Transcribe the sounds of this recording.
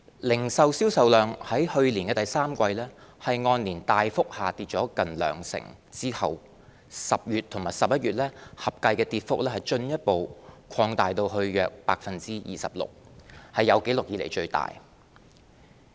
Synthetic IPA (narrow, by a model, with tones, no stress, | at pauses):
lɪ˨˩ŋsɐ˨wsiː˥wsɐ˨wlœː˨˩ŋhɐ˨˥jhɵ˧ɥliː˨˩nkɛː˧t̪ɐ˨jsaː˥mkʷɐ˧jlɛː˥hɐ˨jŋɔː˧nliː˨˩nt̪aː˨jfʊ˥k̚haː˨t̪iː˨˧t̚t͡ʃɔː˨˥kɐ˨nlœ̰ː˨˩ŋsɪ̰˨˩ŋt͡siː˥hɐ˨w | sɐ˨p̚jyː˨t̪ʰːʊ˨˩ŋmaː˨˩jsɐ˨p̚jɐ˥t̚ɥyː˨t̚lɛː˥hɐ˨p̚kɐ˧jkɛː˧t̪iː˧t̚fʊ˥k̚lɛː˥hɐ˨jt͡ʃɵ˧njɐ˥t̚po˨wkʷʰɔː˧ŋt̪aː˨jt̪o˧wɦɵ˧ɥjœː˨k̚pa̰ː˧k̚fɐ˨nt͡siː˥jḭː˨sɐ̰˨p̚lʊ̰˨k̚hɐ˨jːɐ˨˧wke˨˥lʊ˨k̚jiː˨˧le˨˩jt͡ʃɵ˧ɥt̪a̰ː˨j